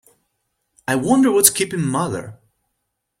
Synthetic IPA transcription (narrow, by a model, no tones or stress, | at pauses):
aɪwʌ̃ndə˞wʌtskʰipɪ̃ŋmʌðə̰˞